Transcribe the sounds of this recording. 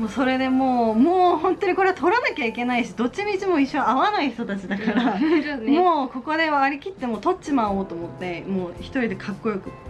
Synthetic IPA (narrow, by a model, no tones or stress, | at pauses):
moːso̞ɾe̞d̪e̞mo̞ːmoːhõ̞nt̪o̞ɲ̟iko̞ɾe̞at̪ʰo̞ɾanakʲaike̞naiɕid̪o̞t͡ɕːimʲit͡ɕimo̞iɕːõaβanaiçi̥t̪o̞t̪at͡ɕid̪akaɾamo̞ːko̞ko̞d̪e̞βaaɾʲikʲit̪ːe̞mo̞ːt̪o̞t͡ɕimaoːt̪o̞ːmo̞t̪ːe̞mo̞ːçi̥t̪o̞ɾʲid̪e̞kʰakːo̞jo̞kɯ̟